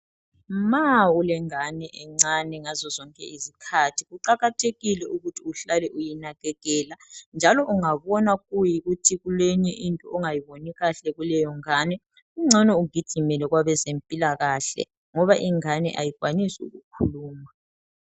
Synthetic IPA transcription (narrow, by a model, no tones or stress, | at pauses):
maulɛŋanɛʔɛŋ͡ǀanɛŋazɔzɔŋkʼɛ̰izikʰatʰiɣuǃaɣatʰeɣilɛʔuɣutʰiuɬalɛʔujinaɣɛɣɛːland͡ʒʱalɔʔuŋaβɔnaɣujiɣutʰiɣulɛɲɛʔintʼɔɔŋajiβoniɣaɬɛɣulɛjɔŋaːnɛ | uŋ͡ǀʱɛnɛuɡ̥ʱid̥ʒ̥ʱimɛlɛɣwaβɛzempʼilaɣaɬɛ̰ | ŋɔβaʔiŋanɛ̰ʔa̰jiɣwanisiṵɣukʰuluːma